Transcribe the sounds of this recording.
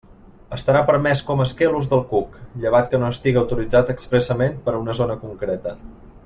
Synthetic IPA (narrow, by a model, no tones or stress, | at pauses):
əst̪əɾapəɾmɛskɔməːskeluzðəlˠkukʎəβ̞at̪̚kənoəst̪iɣiəwt̪ulid͡zat̪əkspɾəsəmenpəɾunəzonəkuŋkɾɛt̪ə